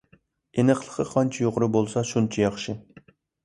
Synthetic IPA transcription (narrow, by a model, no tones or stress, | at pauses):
enɨqlˠə̥qʰəqʰɑnt͡ʃʰijoʁʊɾʊbolˠsɑʃunt͡ʃʰɛjɑχʃɪ